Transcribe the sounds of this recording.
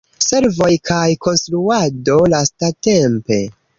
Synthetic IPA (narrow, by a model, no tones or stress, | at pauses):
se̞ɾvo̞jkʰajko̞nstɾuado̞lastate̞mpe̞